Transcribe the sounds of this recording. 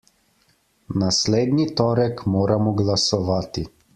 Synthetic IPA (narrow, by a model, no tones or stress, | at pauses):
nasleːd̪nit̪ɔːɾɛkmoːɾamɔɡlasɔʋaːt̪i